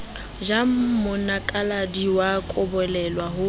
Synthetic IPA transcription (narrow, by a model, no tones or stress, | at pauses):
d͡ʒam̩mʊnakʼaladiwakʼʊbɔlɛlwaɦʊ